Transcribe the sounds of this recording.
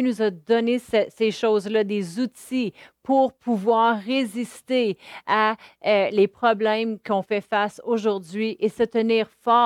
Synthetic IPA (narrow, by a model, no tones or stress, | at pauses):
nuzad̪ɔnesɛseʃɔzlad̪ezut̪ipʰuʁpʰuvwaːʁːezist̪eaølepχɔblɛ̃mkʲɔ̃fɛfasoʒuʁd̪zɥiʔesət̪əniːʁfɑː